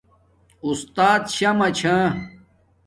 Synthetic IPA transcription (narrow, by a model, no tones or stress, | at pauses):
ust̪aːt̪ɕɐmɐt͡ɕʰã